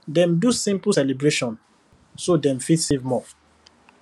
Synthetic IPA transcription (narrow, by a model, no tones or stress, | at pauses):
dɛ̃mdusĩmpl̩sɛlibɹeʃɔ̃n | sodɛ̃mfitsevmɔ